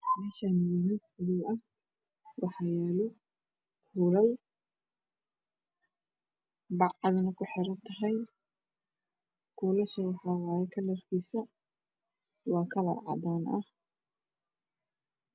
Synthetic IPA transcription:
mɛːʃanɪjɛnɐsbɪðɪɐh | wɑħɑjɛːlɔ | kʰuːlɐl | bɑʕɑðɐnɐkʰʊħɪɾɐnt̪ʰɐɦɐj | kʰuːlɐʃɐwɑħɑːwɑːjɐkʰɐlɐrkʰiːsɐ | wɑːkʰɐlɐ̰rʕɑ̰d̪aːnʔɐh

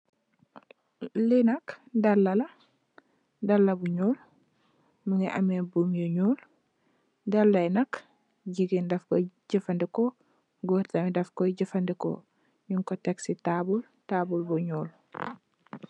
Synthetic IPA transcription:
linɐkdɐlːɐlɐ | dɐlːɐbuɲoːl | məŋɡɛʔɐmɛbumjɔɲoːl | dɐlːɐjnɐk | ɟiɡindɐfkɔ̰ɟəfɐndɛkɔ | ɡoːɾtɐmidɐfkɔɟəfɐndɛkɔ̰ | ɲuŋkɔtɛksitabul | tabulbɔɲɔːl

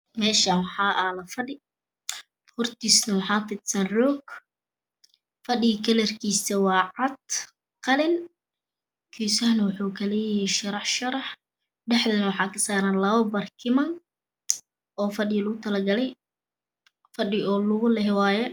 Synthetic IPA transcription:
mɛːʃɐwɑħɑːʔɐlɐfɐɗɪ | hʊrt̪ʰisnɐwħɑːt̪ɪt̪sɐnrɔːɡ | fɐɗɪkʰɐlɛrkʰiːsɐwɑːʕɑd̪̥̚ | qɑlɪn | kʰiːsɐhnɐwʊħuːkʰɐlɛːjɛjʃɐɾɑħʃɐɾɑħ | ɖɛħðɐnɐwɑħɑːkʰɐsaːɾaːnlɐβɐbɐrkʰɪmɐn | ʔɔːfɐɗɪɣɐlʊɣʊt̪ʰɐlɐɡɐlɛj | fɐɗɪɔːlʊɣʊlɛɦɛwaːjɛ

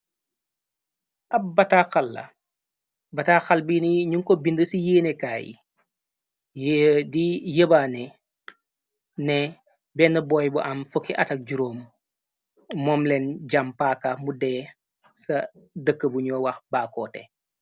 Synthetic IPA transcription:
ʔɐp̚bɐtaxalːɐ̰ | bɐtaxalbiniɲuŋkɔbindəsijeːnekaːjḭ | jdijəbaːnɛ | nɛ | bɛnɐbɔjbuʔɐmfokːiʔɐtɐk̚ɟuɾoːm | ɔːmlɛnɟampaːkamudɛː | sɐ | dəkːəbuɲɔːwɐxbaːkɔːtɛ̰

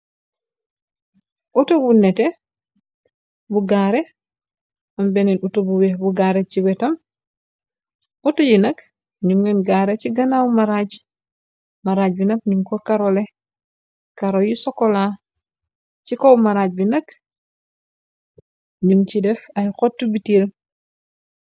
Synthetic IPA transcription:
ʔutobunɛtɛ | buɡaːɾe | ambɛninutobuwɛhbuɡaːɾet͡ʃiwɛtɐm | utojinɐk | ɲuŋɛnɡaːɾet͡ʃiɡɐnawmaɾaɟ | maɾaːɟ̚binɐk̚ɲuŋkokaɾole | kaɾojisɔkɔla | t͡ʃikowmaɾaɟ̚binɐk | ɲumcidɛfajkotːubitiɾ

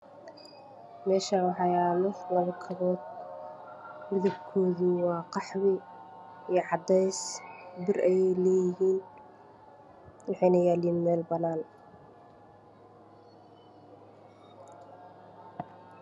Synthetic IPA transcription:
mɛːʃaːwɑħɑjaːlɔlɐβɐkʰɐβɔːd̪̚ | mɪðɐbkʰɔːðuwɑːqɑħwɪ | ijʕɑd̪ɛjsbɪrʔɛjɛjlɛːjɪɦiːn | wɑħɛjnɐjaːliːmɛːlbɐnaːn

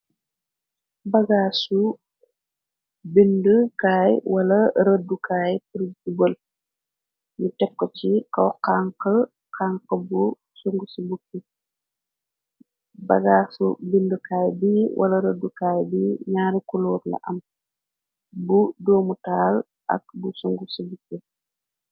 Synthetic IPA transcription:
bɐɡaːsu | bindəkaːjwɐlɐɾədukaːjpuɾiubəl | ɲutɛp̚kːɔt͡ʃikɔwqaːŋkɐ | kʰaːŋkəbu | suŋɡusəbukːi | bɐ̰ɡaːsubindukaːjbiwʔɐ̰lɐɾədukaːjbiɲaːɾikulɔːɾlɐ̰ʔɐm | budoːmutaːl | ʔɐ̰k̚busuŋɡusəbukːi

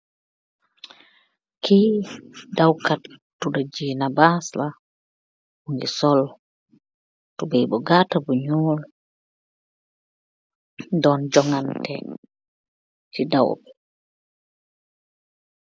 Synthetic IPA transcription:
kʰi | dawkatː | udad͡ʒinabasla | buŋɡisɔl | tubɛjbɔɡatabuɲul | dɔnd͡ʒɔŋantɛ | tida̰wbɛ

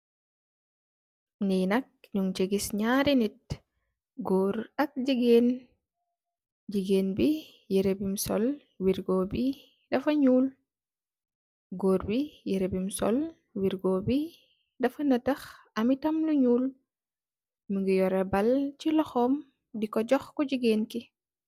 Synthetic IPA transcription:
nijnɐk̚ɲuŋt͡ʃeɡisɲaɾinit̚ | ɡɔːɾɐk̚ɟiɡeːn | ɟiɡeːnbi | jeɾebimsɔ̰l | wiɾɡobi | dɐfɐɲuːl | ɡoːɾbijeɾebimsɔ̰l | wiɾɡoːbi | dɐfɐnɐtɐx | ɐmitɐmluɲuːl | muŋɡijɔɾɛbɐlcilɔxɔm | dikɔɟɔxkɔɟiɡeːnki

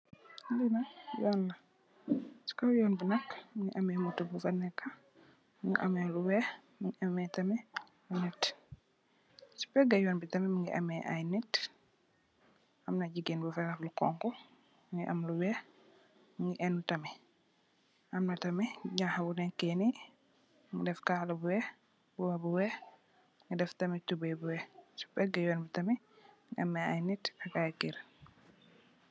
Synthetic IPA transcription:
linɐjɔnːɐ | su̥kawjɔːnbənɐkmiŋɡiʔɐmɛmutubufɐnɛkːa | miŋɡḭʔɐ̰mɛluwɛx | miŋiʔɐmɛtɐmɛ | lunɛt | si̥pɛɡɐjɔːnbitɐmɛmiŋɡiʔɐ̰mɛʔa̰jnɛt | ʔɐmnɐɟiɡenbufɛlɐflukɔ̰ŋkɔ | ŋɡiʔɐ̰mluwɛ | ŋɡiʔɛnutɐmɛ | ʔɐmnɐtɐmiɲahɐbunɛkɛni | ŋɡidɛfkaːlɐbuwɛ | buwɐbuwɛ | ŋidɛftɐmitubɐjbuwɛsu̥pɛɡɐjɔːnbitɐmi | ŋɡiɐmɛajnɛtɐkakiɾ

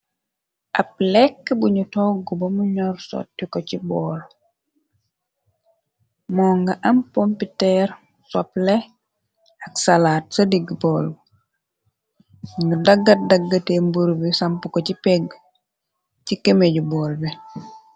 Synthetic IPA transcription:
ʔap̚lɛkːbuɲutɔːɡɔbɐmuɲɔɾsɔ̰ːt̚dikɔcibɔːl | mɔːŋɡaʔɐmpompitɛɾ | saplɛ | aksalaːt̚sɐdiɡbɔːl | ɲudaɡːat̚daɡːatembuɾbisampukocipɛɡ | cikemeɟubɔːlbi

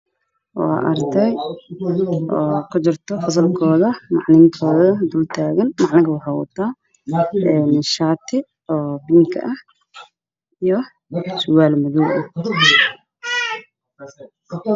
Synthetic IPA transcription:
wɑ̰ɑ̰ːʔɐ̰rt̪ʰɛj | ʔɔːkʰʊt͡ʃɪrt̪ʰɔfɐs̬ɐlkʰɔːðɐmɑʕnɪŋk̪ʰɔːðɐd̪ult̪ʰaːɣɐnmɑʕnɐɣɐwɑħɑwɐ̰t̪ʰːaː | ɛnʃaːt̪ʰɪ | ɔːbɪŋkʰɐ̰ʔɐh | ijɔ | sʊwaːlmʊðuwʔɐh

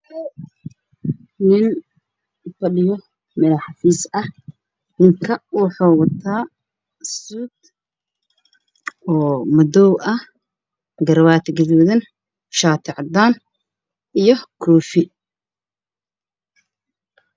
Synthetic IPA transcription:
nɪn | fɐɗɪjɔ | mɛlɐħɑfiːsɐh | nɪŋkʰɐwʊħɔːwɐt̪ʰaː | suːd̪ | ɔːmɐd̪ɔwʔɐh | ɡɐɾwaːt̪ʰɡɐðuːðɐn | ʃaːt̪ʰɪʕɑd̪aːn | ijɔkʰɔːfɪ

